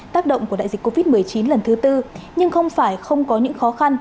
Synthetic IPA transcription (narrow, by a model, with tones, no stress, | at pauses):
t̪aː˦˥k̚ɗə̰˧˨wŋ͡mku˧˩a̰ː˧˨zï˨˩ko˧vi˦˥t̚mɨ˨˩əjt͡ɕi˨˦nlə˨˩nt̪ɨ˨˦t̪ɨ˧ɲɨ˧ŋxə˧wŋ͡mfaː˧˩jxə˧wŋ͡mkɔ˨˦ɲɨ̰˧˥ŋxɔ˨˦xa˧n